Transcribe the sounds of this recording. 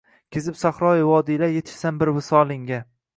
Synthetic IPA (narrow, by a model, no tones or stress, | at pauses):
kʲʰezɪpsaχɾɒjɪwɒd̪ilajet̪ʰɪ̥ʃsanbɪɾwɪsɒlɪŋɡʲa